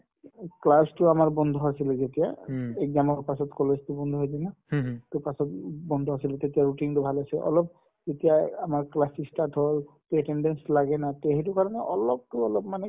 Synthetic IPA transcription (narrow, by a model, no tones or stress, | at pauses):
klastʊamaɹbɔnd̪ʱuasilzetijaɛk̚zamɔɹpasɔtkɔlestʊbɔnd̪ʱuɦɔjzɛna | tʊpasɔtbɔnd̪ʱuasiltetijaɹutiŋtʊbʱalasɛʔɔ̰lɔp̚ | zetijaamaɹklasistatɦɔltetɛndɛnslaɡɛnateɦɛtʊkaɹɔnɛʔɔlɔp̚tʊɔlɔpmanɛ